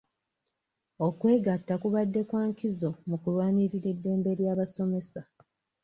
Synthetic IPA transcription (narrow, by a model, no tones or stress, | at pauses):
okwe̞ːɡatːakuβadːe̞kwaːŋkizo̞mukulwaːniɾiɾe̞dːe̞ːmbe̞ɾjaːβaso̞me̞sa